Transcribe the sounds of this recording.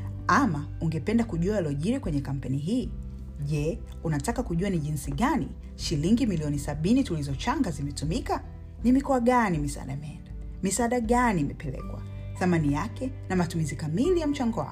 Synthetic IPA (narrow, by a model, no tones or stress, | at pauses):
ama | uŋɡɛpɛndakuʄuaalɔʄiɾɛkwɛɲɛkam̩pɛniɦiː | ʄɛ | unatakakuʄuaniʄinsiɠanḭ | ʃiliŋɡimiliɔnisaɓinitulizɔt͡ʃaŋɡazimɛtumika | nimikɔaɠanimisa̰ɗaimɛɛnda | misaːɗaɠaniːmɛpɛlɛ̰kwa̰ | θamanijakɛnamatumizikamilijam̩t͡ʃaŋɡɔwa̰